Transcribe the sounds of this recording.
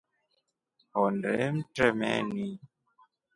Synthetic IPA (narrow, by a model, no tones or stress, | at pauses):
hɔndɛ̰m̩tɾɛmɛ̰ni